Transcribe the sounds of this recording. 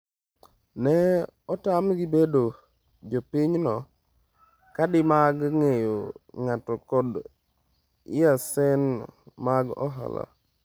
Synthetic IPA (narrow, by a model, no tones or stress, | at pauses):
nɛɔtamɡibedo | d͡ʒopɪɲnɔ | kadɪmaɡŋejoŋatɔkɔd | ɪ̰jasɛnmaɡɔ̰ɦa̰la̰